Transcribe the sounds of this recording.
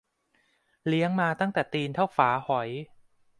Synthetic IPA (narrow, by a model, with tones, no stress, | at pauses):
li˦˥əŋmaː˧t̪a˥˩ŋt̪ɛː˨˩t̪iː˧nt̪ʰa˥˩wfaː˩˦hɔ˩˦j